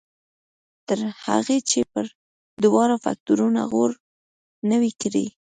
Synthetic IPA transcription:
t̪əɾha̰ɣet͡ʃepəɾ | d̪ʊwɑɾafa̰k̚t̪uɾuna̰ɣoɾ | nəwikɾḭ

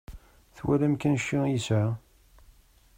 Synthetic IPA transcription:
θwæ̰læmkænʃːijəsʕa

